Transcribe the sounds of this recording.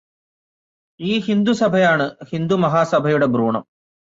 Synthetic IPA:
iːɦind̪usɐbʱɐjaːɳɨhind̪umɐɦaːsɐbʱɐjuɽebɾuːɳɐ̰m

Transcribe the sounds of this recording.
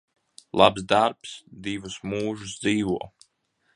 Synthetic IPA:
lˠabzd̪aɾpsd̪ivusmuːʒusd̪ziːvuɔ

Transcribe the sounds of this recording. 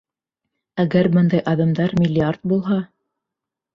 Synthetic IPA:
æɡæɾbɤnd̪ɑjʔɑðɑmd̪ɑɾmʲɪlʲːɪart̪̚bulˠɦɑ

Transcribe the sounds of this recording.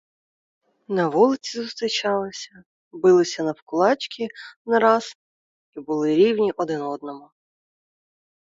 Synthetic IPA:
nɐʋulˠɪt͡sʲizʊst̪ɾɪt͡ʃɑlˠɪsʲɐ | bɪlˠɪsʲɐnɐwkʊlˠɑt͡ʃkʲʰinɐɾɑz | ibʊlˠɪɾʲiwnʲiʔɔd̪ɪnɔd̪nɔmʊ

